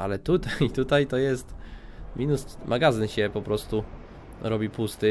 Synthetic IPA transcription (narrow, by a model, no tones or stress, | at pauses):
ʔa̰lɛt̪ut̪ajit̪ut̪ajt̪ɔjɛst̪ | mʲinusmʔaɡazɘnɕɛpɔpɾɔst̪u | ɾɔbʲipust̪ɘ